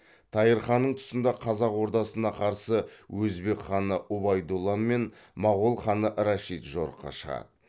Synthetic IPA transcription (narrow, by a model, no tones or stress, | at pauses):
t̪ʰɑjəɾχɑnːəɴt̪ʰʊ̥sənd̪ɑqʰɑzɑqwo̞ɾt̪ɑsənɑqʰɑɾsəwɵzbe̞kχɑnəʔubɑjd̪ulˠːanme̞n | mɑʁʊlˠχɑnəʔɾɑʃit̪ʒo̰ɾəqːɑ̰ʃəʁɑ̰d̪ə